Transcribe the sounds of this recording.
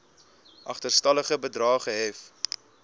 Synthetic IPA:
ʔɐχtərstɐləχəbədrɑːχəɦɛf

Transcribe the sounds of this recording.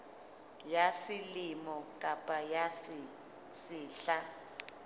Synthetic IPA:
jasilimɔkʼapʼajas | siːɬa

